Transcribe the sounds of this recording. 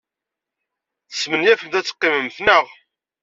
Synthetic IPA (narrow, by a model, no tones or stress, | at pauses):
θə̥smənjæfənθæt͡sːə̥qːɪməmθnəʁ